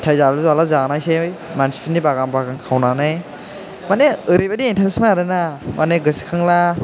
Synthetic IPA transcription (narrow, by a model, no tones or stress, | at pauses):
tʰajzaɾɯzalazanajsejmansʰi̥pʰinːibaɡambaɡaŋkʰawnanaj | maneɯɾejbadiːntʰaɾesmaaɾɯnamʔaneɡɯsi̥kʰɯŋla